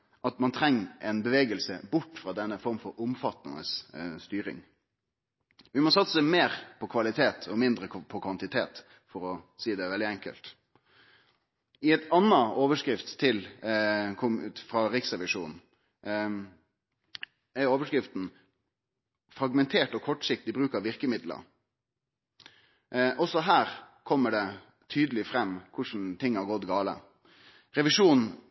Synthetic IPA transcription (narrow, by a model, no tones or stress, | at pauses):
ʔɑt̪mɑnt̪ʰɾɛŋːəʔɛnbəʋeːɡəlsə̰bʊʈːfʁɑːd̪ɛnːəfɔɾmfɔɾʊmfɑt̪nɪ̰nə̰sst̪yːɾɪ̰ŋ | ʋɪmɔsɑt̪sə̥səmeːɾpʰɔkʰʋɑlɪt̪ʰeːt̪ʰɔmɪnd̪ɾəpʰɔkʰʋɑnt̪ɪt̪ʰeːt̪ | fɔɾɔsiːd̪ɛʋɛld̪ɪɛŋkə̰lt̪ | ɪɛt̪ɑnːɑoːʋəʂkɾɪft̪ʰːɪl | kʰʊmfɾɑɾɪksʁɛʋɪʂṵːn | æɾoːʋəʂkɾɪft̪n̩ | fɾɑɡmɛnt̪ʰeːʈɔkʰɔʈʂɪk̚t̪ɪbɾʉːkɑʋɪɾkəmɪd̪lə̰ɾ | ʔɔsɔɦæːɾkʰɔmːəɖɛ | t̪ʰyːd̪əlɪfɾɛmːkʰʊʂn̩t̪ʰɪŋːɑɾɡɔt̪ɡɑːlə̰ | ɾɛʋɪʂuːn